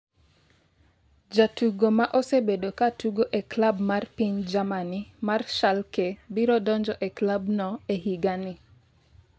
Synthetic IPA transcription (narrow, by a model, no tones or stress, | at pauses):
d͡ʒatuɡomaʔɔsebedokatuɡoʔɛklabmarpiɲd͡ʒamanimarʃalkɛbiɾɔdɔɲd͡ʒɔʔɛklabnɔeɦiɡani